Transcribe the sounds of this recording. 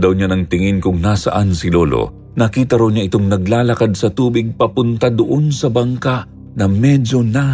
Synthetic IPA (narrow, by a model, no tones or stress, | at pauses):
d̪ɐwɲanɐŋt̪ɪŋɪnkʊŋnasɐ̰ʔansɪloːlo̰ | nɐkiːt̪ɐɾawɲaʔɪt̪oŋnɐɡ̚laːlɐkad̪̚sɐt̪uːbɪɡ̚pɐpʊnt̪ad̪ʊʔonsɐbɐŋkaʔ | nɐmɛd͡ʒo̞na